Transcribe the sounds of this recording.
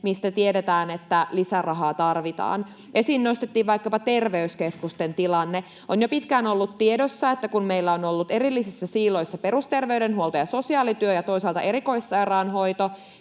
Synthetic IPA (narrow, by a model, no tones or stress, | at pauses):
mist̪æt̪iedet̪æːnet̪ːælisærɑɦɑːt̪ɑrʋit̪ɑ̰ːn | ʔesinːost̪et̪ːiːʋʋɑikːɑpɑt̪erʋeyskeskust̪ent̪ilɑnːe | ʔonjopit̪kæːnolːut̪tiedosːɑet̪ːækunmeilːæonolːut̪eɾilːisisːæsiːlo̞isːɑpe̞rust̪e̞rʋeydenhuolt̪ojɑso̞siɑːlit̪yøjɑt̪o̞isɑlt̪ɑʔeɾiko̞isːɑjrɑːnɦo̞it̪o